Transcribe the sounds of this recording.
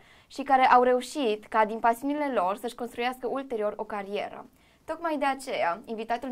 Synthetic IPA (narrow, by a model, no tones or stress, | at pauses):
ʃikaɾe̞ʔawɾe̞uʃit̪kad̪inpasiunile̞lo̞rsəʃko̞nst̪ɾujaskəʔult̪e̞ɾio̞ro̞kaɾie̞̰ɾə̰ | t̪o̞kmajd̪e̞at͡ʃe̞jainvit̪at̪ul